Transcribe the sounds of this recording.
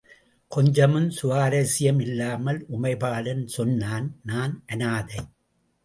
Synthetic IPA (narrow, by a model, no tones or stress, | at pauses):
kɔɲd͡ʒɐmɯnsʊʋaːɾɐsɪjɐmɪlːaːmɐlʔʊmɐɪpaːlɐnsɔnːaːnnaːnʔɐnaːðɐɪ